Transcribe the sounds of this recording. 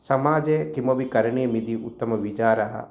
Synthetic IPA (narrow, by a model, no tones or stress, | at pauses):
sɐmaːd͡ʒeːk̪imobikɐɾɐɳijɐmid̪iut̪ːɐmɐʋit͡ʃaːɾɐɦɐ̰